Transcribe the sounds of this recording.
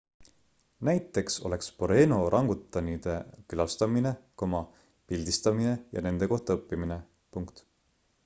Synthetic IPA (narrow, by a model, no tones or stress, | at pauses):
næjt̪ːˑe̞kso̞̰le̞kspo̞ɾe̞ːno̞ɾʔɑŋɡut̪ːˑɑnid̪̥e̞kylɑst̪ɑmine̞komɑ | pilʲd̪̥ist̪ɑmine̞jɑ̰ne̞nd̪̥e̞ko̞ht̪ɑɤpːimine̞ | puŋkt̪